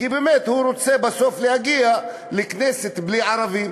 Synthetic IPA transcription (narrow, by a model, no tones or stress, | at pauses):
kibemet̪huɾot͡sebaso̞flehaɡia | lekneset̪bliʕaɾavim